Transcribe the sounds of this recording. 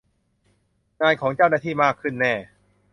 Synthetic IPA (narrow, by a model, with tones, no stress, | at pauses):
ŋaː˧jkʰɔː˩˦ŋt͡ɕaː˥˩wnaː˥˩t̪ʰiː˥˩maː˥˩kʰːɯ˥˩nːɛː˥˩